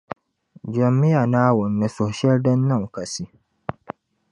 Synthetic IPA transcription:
d͡ʒɐ˨mːɪ˦ja˨naː˦wʊ˨nːɐ˦so˨hʃɐ˦ldɐ˦nːɐ˦˨ŋkɐ˨si˦

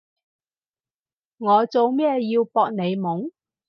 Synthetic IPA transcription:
ŋɔː˨˧t͡so˨wmɛː˥jiː˧wpɔː˧k̚ne˨˧jmʊ˨˥ŋ

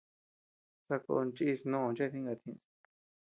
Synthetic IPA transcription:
t͡sa˧ko̰˧nt͡ʃi˦˧snõ˦˧˨t͡ʃa˦˧t̪ʰĩ˦˧ŋɡa˧t̪ʰĩ˧˨s

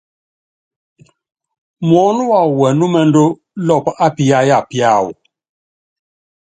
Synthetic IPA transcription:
m˨ɔ˨˦nu˦wa˨u˨wɛ˨nu˦mɛ˦ndo˦ | lɔ˦˨pʔa˦pi˦ja˦ja˦˨pi˦a˦˨wṵ˨

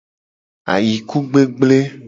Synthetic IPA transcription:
a̰˨ji˨ku˦ɡ͡be˦ɡ͡ble˦

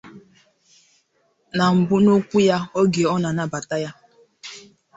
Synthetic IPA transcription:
na˨m̩˨bʊ˦no˦kʷu˦ja˦o˦ɡe˨ɔ˦na˨na˦ba˨ta˦ja˦

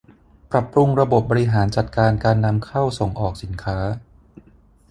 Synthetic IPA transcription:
pɾa˨˩pɾu˧ŋɾa˧bo˨˩p̚bɔː˧ɾi˧˥ɦaː˩˦nt͡ɕa˨˩t̪̚kaː˧nkaː˧nːa˧mkʰa˥˩wso˨˩˦ŋʔɔː˨˩k̚si˩˦nkʰaː˦˥

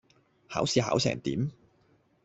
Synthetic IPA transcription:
ha̰ː˨˥wsiː˨˧ha̰ː˨˥wsɛ̰ː˨˩ŋt̪ḭː˨˥m

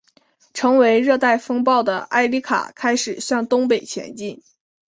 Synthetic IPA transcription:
ʈ͡ʂʰɤ˧˥ŋwe˧˥ɪɻɤ˥˧t̪a˥˩ɪfɤ˥ŋpɑ˥˩ʊd̪ə˩ʔa˥˩ɪli˥kʰa̰˨˩kʰa˥ɪʂɻ̩˨˩ɕjɑ˥˩ŋt̪ʊ˥ŋpe˨˩ɪt͡ɕʰjɛ̰˧˥nt͡ɕi˥˩n

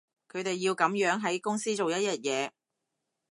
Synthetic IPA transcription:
kʰɵ˨˧ɥt̪e˨jːiː˧wkɐ˨˥mjœː˨˥ŋɦɐ˨˥jkʊ˥ŋsiː˥t͡so˨wjɐ˥t̚jɐ˥t̚jɛː˨˧

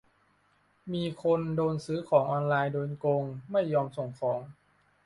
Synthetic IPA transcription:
miː˧kʰo˧ndoː˧nsɯː˦˥kʰɔː˩˦ŋʔɔː˧nlaː˧jdoː˧nko˧ŋma˥˩jːɔː˧mso˨˩ŋkʰɔː˩˦ŋ

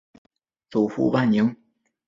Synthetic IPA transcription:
t͡su˨˩xṵ˥˧pa˥˩nni˧˥ŋ

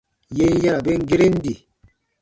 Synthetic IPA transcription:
je˧˦ja˦ɾa˨be˦ŋ˦ɡi˦ɾe˦n˦di˨

